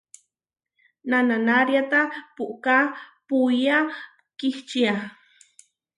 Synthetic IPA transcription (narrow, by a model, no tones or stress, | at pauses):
nananaɾjat̪apuʔkapuja | kiht͡ʃia